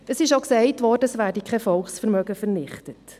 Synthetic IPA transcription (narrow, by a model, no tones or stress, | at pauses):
əsɪʃoksɛɪtvɔːɾdəəsvæːɾdikʰɛfɔlχsfɛɾmœɡəfɛɾnɪχtət